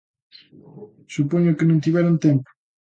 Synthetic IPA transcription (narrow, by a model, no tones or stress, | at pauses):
supoɲʊkɪnõnt̪iβɛɾont̪ɛmpo̥